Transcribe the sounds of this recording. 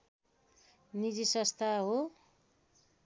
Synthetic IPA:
nid͡zisʌst̪ʰaɦo

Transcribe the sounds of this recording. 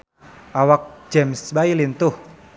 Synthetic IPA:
ʔawak̚d͡ʒɛmsbailint̪uh

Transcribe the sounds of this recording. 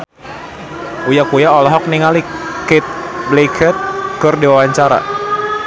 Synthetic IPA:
ujakujaɔlɔɦɔk̚niŋalikɛt̪̚blikʰɛt̪̚kɨrdiwawaɲt͡ʃaɾa̰

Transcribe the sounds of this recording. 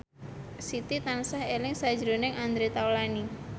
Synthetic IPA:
sit̪it̪ansahelɪŋsḁd͡ʒɾonɪŋand̪ɾet̪awlani

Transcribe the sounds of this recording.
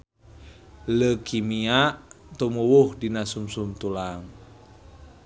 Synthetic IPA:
ləkʰimiaʔt̪umuwuhdinasumsumt̪ulaŋ

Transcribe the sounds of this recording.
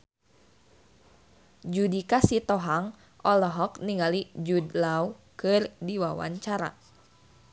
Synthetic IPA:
d͡ʒudikasit̪ɔɦaŋ | ʔɔlɔɦɔkniŋalid͡ʒudlaukɨrdiwawa̰ɲt͡ʃaɾa̰

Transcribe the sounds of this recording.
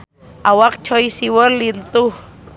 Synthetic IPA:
ʔawaqt͡ʃojsiwollilt̪uh

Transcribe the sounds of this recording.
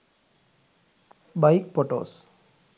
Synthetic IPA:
bajk̚pɔʈo̰ːs

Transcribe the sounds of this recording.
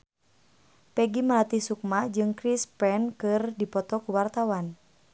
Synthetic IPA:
pɛɡiməlat̪ihsuk̚mad͡ʒɨŋkɾispɛnkɨrdipɔt̪ɔkuwart̪awan

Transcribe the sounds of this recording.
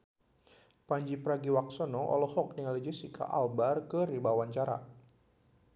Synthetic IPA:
paɲd͡ʒipəɾaɡiwak̚sɔnɔʔɔ̰lɔhɔk̚niŋalid͡ʒisika̰ʔalbarkəɾibawant͡ʃaɾa̰

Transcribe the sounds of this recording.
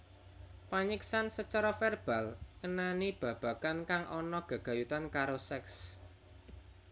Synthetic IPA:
paɲiksansət͡ʃaɾɔfɛrb̥alkənanib̥ä̤b̥ä̤kankaŋʔɔnɔɡ̥a̤ɡ̥ä̤jut̪ankaɾosɛks

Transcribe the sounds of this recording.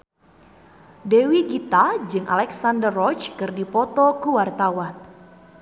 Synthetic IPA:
dewiɡit̪ad͡ʒɨŋʔa̰lɛksandərːɔt͡ʃkɨrdipɔt̪ɔkuwart̪awan

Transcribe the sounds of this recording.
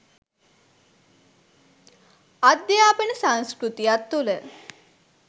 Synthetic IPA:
ad̪jaːpənəsanskɾut̪ijat̪ːulə

